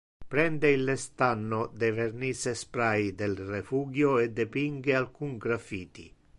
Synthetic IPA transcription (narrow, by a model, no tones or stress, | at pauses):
pɾɛnd̪eilest̪anːod̪eveɾnisespɾajd̪elrefuɡjoed̪ːepiŋɡealkuŋɡɾafiːt̪ḭ